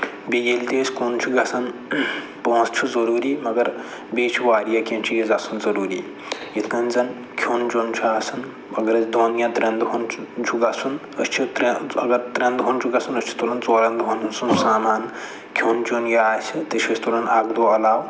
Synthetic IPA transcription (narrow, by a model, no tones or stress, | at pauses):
biɡelt̪esʲkoːnt͡ʃʰuɡasɐn | põːst͡ʃʰuzɐɾuːɾiːmɐɡɐɾ | beːt͡ʃʰuʋaːɾijakʲẽnt͡ʃʰijizasunzɐɾuːɾiː | jit̪ʰkɐnd͡zɐn | kʰoːnt͡ʃoːnt͡ʃʰuaːsɐn | mɐɡɐɾɐt͡sd̪oːnjãt̪ɾʲɐ̃nd̪ɦont͡ʃʰuɡasun | ɐ̰st͡ʃʰut̪ɾeɐɡɐɾt̪ɾɐ̃nd̪ɦont͡ʃʰuɡasunɐsʲt͡ʃʰu̥t̪olɐnt͡soːɾɐnd̪ɦonɐnsunsaːmaːn | kʲʰoːnt͡ʃoːnjɐaːsit̪ɐt͡ʃʰɐsʰt̪olɐnaɡd̪ualaːw